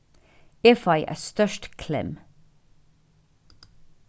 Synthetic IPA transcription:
efɑɪʔæ̰ːst̪œʃʈkʰlɛ̰m

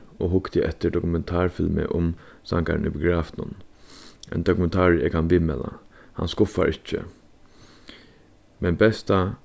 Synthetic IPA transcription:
oɦʊkt̪ɪʔɛt̪ːɪɖɔkʊmɛnt̪ʰaːɹfɪlmɪ̰ʔʊmsa̰ŋka̰ɾnɪpʊɡɹaːfnʊ̰n | ɛ̰nd̪ɔkʊmɛnt̪ʰaːɹɛkhanʋiːmɛːla̰ha̰nskʊfa̰ɾɪt͡ʃːə̰ | mɛnbɛst̪a

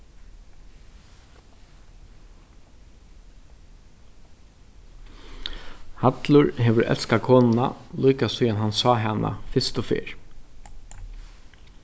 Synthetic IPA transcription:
hat̪lʊɾɦɛʋʏɾʔɛ̰lskakʰɔːnɪna̰lujkasujanɦansɑːɦana̰fɪst̪ʊfɪ̰ːɹ

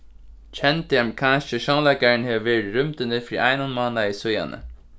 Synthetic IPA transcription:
t͡ʃʰɛnt̪əhamkʰanʃəʃanlaɪkaɹɪnheːʋʋeːɹɪɾʏmt̪ɪnəfɾiːʔaɪnanmɑːnaisʊja̰nə̰

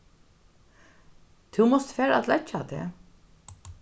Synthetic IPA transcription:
t̪ʰuwmɔst̪fɛːɾa̰t̪lɛt͡ʃat̪ʰɛ̰ː

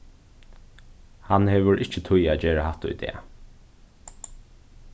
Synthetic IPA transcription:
hanhɛːʋəɹʔɪht͡ʃət̪ʰʊjæːd͡ʒeːɹahaht̪ʊ̰jd̪ɛ̰ː

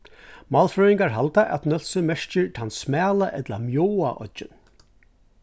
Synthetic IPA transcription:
mɑːlfɾœɾiŋkaɹɦalt̪aʔɛ̰t̪nœlsəmɛʂt͡ɕɪɹt̪ʰansmɛːlaʔɛt̪lamjɔːwa̰ʔɔ̰t̪ʒɪ̰n

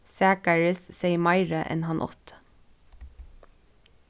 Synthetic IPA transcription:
sæːkəɹəsseɪmɑɪɹəʔɛ̰nhɑnʔɔ̰t̪

